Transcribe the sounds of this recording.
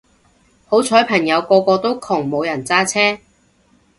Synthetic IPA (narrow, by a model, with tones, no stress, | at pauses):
ho˨˥wt͡sʰɔː˨˥jpʰɐ˨˩ŋjɐ˨˧wkɔː˧kɔː˧t̪o˥wkʰʊ˨˩ŋmo˨˧wjɐ˨˩nt͡saː˥t͡sʰɛː˥